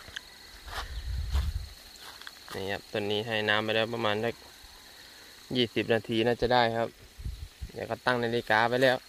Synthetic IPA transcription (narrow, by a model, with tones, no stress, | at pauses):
nḭː˧˩kʰa̰˧˩p̚t̪o˧˩˨nːiː˧˥˨ɦa˧˩jnaː˧˥˨mpa˧jlɛː˧˩wpa˧maː˧˥nt͡ɕa˧˩k̚ | jiː˧˩si˧˦p̚naː˧˩t̪ʰiː˧˩naː˧˩t͡ɕa˧˩daː˥˩jkʰa˧˥p̚ | jɛ̰˧˩ka˧˩t̪a˥˩ŋna˧˩˨leː˧˩˨kaː˨˦pa˧jlɛː˧˩˨w